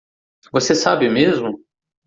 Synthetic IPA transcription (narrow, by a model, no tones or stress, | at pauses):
vosesabɪmezmʊ